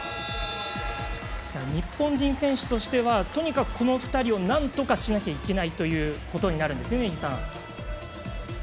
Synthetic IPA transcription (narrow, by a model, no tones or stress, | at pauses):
jaɲ̟ipːõɲ̟d͡ʑĩɰ̃sẽ̞ɰ̃ɕɨ̥t̪o̞ɕi̥t̪e̞βat̪o̞ɲ̟ikakɯ̟̥kʰo̞no̞ɸɯ̟̥t̪aɾʲio̞nãnt̪o̞kaɕinakʲaike̞nait̪o̞jɯ̟ːko̞t̪o̞ɲ̟inaɾɯ̟̃nd̪esɨjeɡʲisãŋ̃